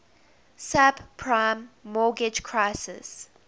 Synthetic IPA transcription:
sabpʰɹãɪmːɔːɡɪd͡ʒkʰɹaɪsɪ̰s

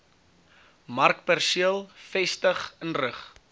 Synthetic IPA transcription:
mɐrkpærsiəlˠfɛstəχənrəχ

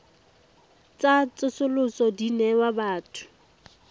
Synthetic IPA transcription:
t͡sat͡sʼʊsʊlʊsɔdinɛwabaːtʰʊ̥

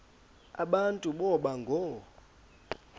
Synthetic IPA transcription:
a̰ɓantʼuɓɔɓaŋɡʱɔ

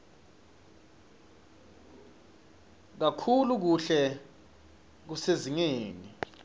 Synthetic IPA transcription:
k̬akʰuluk̬uɬɛ | k̬useziŋeːni

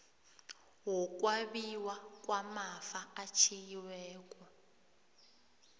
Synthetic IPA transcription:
wɔk̬ʼwaɓiwak̬wamafaat͡ʃʰijiwɛːk̬ʼɔ

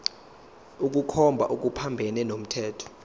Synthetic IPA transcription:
uk̬ʼukʰɔmbʱaʔuk̬ʼupʰambʱɛnɛnom̩tʰɛːtʰɔ̥

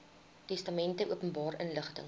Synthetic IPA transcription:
tɛstɐmɛntəʔuəpənbɑːrənləχtə̰ŋ

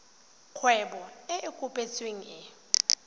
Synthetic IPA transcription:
kʰwɛɓɔɛʔekʼupʼet͡sʼweŋ̩ɛ

